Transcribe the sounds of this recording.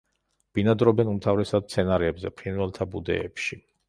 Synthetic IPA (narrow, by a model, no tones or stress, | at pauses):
b̥inad̪ɾɔbɛnumt̪ʰavɾɛsad̪̚t̪sʰɛnaɾɛːbzɛpʰinvwɛlˠt̪ʰabud̪ɛ̰ːpʃi